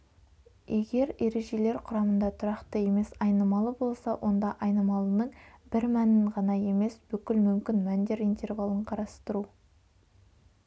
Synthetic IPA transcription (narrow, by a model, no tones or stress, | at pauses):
e̞ɡʲe̞ɾe̞ɾe̞ʒe̞le̞ɾqʰʊɾɑmənd̪ɑt̪ʰʊɾɑqt̪əje̞me̞sɑjnəmɑlˠəbo̞lˠsɑwʔo̞nd̪ɑʔɑjnəmɑlˠənəɴb̥ɪɾmænɪɴʁɑnɑje̞me̞sb̥ʏkʲɪlmʏmkʲɪnmænd̪e̞ɾint̪ʰe̞ɾvɑlˠəɴqʰɑɾɑst̪əɾu